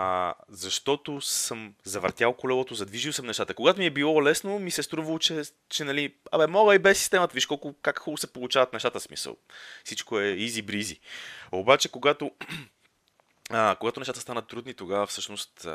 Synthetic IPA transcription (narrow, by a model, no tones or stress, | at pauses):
zɐʃt̪ɔt̪osəmzɐvə̰ɾt̪jalˠkolɛlˠot̪ozɐd̪viʒilˠsəmnɛʃt̪at̪əkoɡat̪omiɛbilˠɔlɛsnomisɛst̪ɾuvɐlˠot͡ʃɛ | t͡ʃɛnɐlia̰bɛmɔɡəibɛsːist̪ɛmət̪əviʃkɔlˠkʊkakxulˠosɛpolˠut͡ʃavɐt̪nɛʃt̪at̪əsmḭsə̰lˠfsit͡ʃkoɛizibɾiziobat͡ʃɛkoɡat̪o | koɡat̪onɛʃt̪at̪əst̪anət̪ːɾud̪nit̪oɡavəfsɤʃnost̪